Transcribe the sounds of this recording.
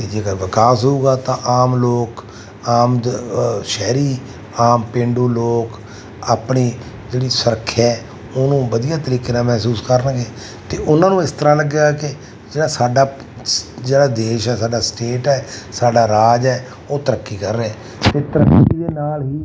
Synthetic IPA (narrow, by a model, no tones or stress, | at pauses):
t̪eːd͡ʒeːkaʋɪkaːsɦouːɡaːt̪ãːʔaːmloːk | aːm | ʃɛːɾiː | aːmpẽːɳɖuːloːk | aːpɳeː | d͡ʒeːɽiːsəɾəkʰːɛː | onũːbəd̪ijaːt̪əɾiːkeːnaːmɛːsuːskəɾənɡeː | t̪eːʔʊnãːnũːɪst̪əɾãːləɡeɡaːkɪ | d͡ʒeːɽaːsaːɖaː | d͡ʒeːɽaːd̪eːʃɛːsaːɖaːsʈeːʈɛːsaːɖaːɾaːd͡ʒɛː | oːt̪əɾəkːiːkəɾːeːɛ̃ː | t̪eːt̪əɾəkːiid̪eːnaːlɦiː